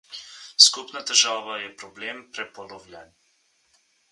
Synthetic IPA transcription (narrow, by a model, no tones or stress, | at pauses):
skupnat̪ɛʒaːʋajɛpɾɔbleːmpɾɛpɔlɔwlʲan